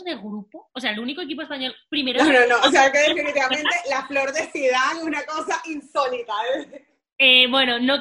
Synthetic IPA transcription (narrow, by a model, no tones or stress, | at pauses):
zðe̞ɣɾupoos̬e̞aelunikoe̞k̬ip̬oespaɲo̞lpɾimeɾoonõnoos̬eaekeðefinit̪iβament̪elaflo̞ɾðeθiðaŋeunako̞saʔinsolit̪ae | ebwe̞no̞no